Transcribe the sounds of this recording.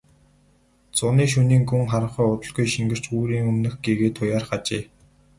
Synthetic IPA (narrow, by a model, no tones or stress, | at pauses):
t͡sʊniːkʃ̬uniːŋɡuŋχaɾə̆ɴχœːʊt̪ə̆ɮɣujʃiŋɡɘ̆r̥t͡ɕuːɾiːŋɵmnɘ̆xɡeɣeːt̪ʰʊjaːrχat͡ɕiː